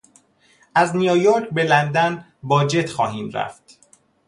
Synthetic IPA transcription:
ʔæznijojoɾcʰbe̞lænd̪æn | bɒːd͡ʒe̞t̪xɒ̰ːɦiːmɾæ̰ft̪

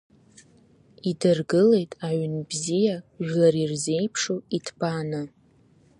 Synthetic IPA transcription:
idɨrɡɨle̞jtʼaʕnbzijaʒᶣlaɾirze̞jpʰʂoitʰbʰʼanɨ

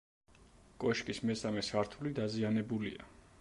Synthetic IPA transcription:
kʼɔʃkʼismɛsamɛsaɾt̪ʰulid̪azianɛbulḭa̰

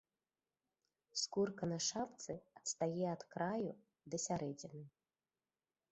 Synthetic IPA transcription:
skurkɐnɐʂap̚t̪sɨɐt̪st̪ajɛɐt̪kɾaju | d̪ɐsʲaɾɛd͡zʲɛnɨ

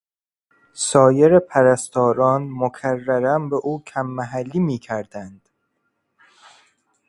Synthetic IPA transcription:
sɒːjeɾepʰæɾæst̪ɒːɾɒːnmokʰærːæɾæmbeʔuːcʰæmːæɦælːiːmiːcʰæɾd̪ænd̪̥

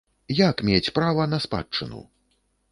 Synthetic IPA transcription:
jakmʲet͡sʲpɾavɐnɐspa̰t͡ʂːɨ̰nṵ

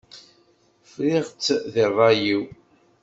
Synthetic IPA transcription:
fɾɪʁt͡sːðirˤɑjiw

